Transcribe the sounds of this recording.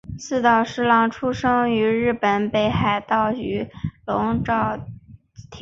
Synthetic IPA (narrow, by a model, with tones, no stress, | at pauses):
sɹ̩˥˧t̪ɑ˥˩ʊʂɻ̩˥lɑ˥˩ŋʈ͡ʂʰu˥ʂɤ˥ŋy˧˥ɻɻ̩˥˩pə˨˩npe˥˩ɪxa˥˩ɪt̪ɑ˥˩ʊy˧˥lʊ˧˥ŋʈ͡ʂɑ˥˩ʊ | t̪ʰ